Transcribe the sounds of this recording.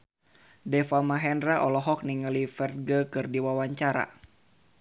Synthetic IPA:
dɛfamaɦɛnɾaʔɔlɔɦɔk̚niŋalifɛr̚ɡəkɨrdiwawaɲt͡ʃaɾa̰

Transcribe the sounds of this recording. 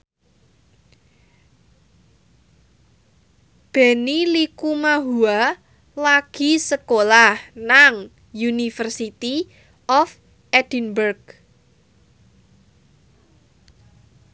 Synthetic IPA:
b̥ɛ̤nilikumaɦua | laɡ̥i̤səkolahnaŋ | junifərsit̪i | ʔɔf | ʔɛd̥inbərɡ

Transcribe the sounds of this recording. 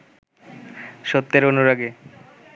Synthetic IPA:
ʃot̪ːeɾonuɾaɡe

